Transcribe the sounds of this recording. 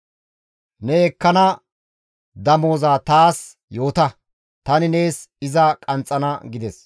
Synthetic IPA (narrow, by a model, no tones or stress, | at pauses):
nɛɛkːɐnɐ | d̪ɐmo̞ːzaːt̪aːs | jo̞ːt̪ɐ | t̪ɐnɪne̞ːsɪzɐkʼɐnt͡sʼːɐnɐɡɪd̪ɛs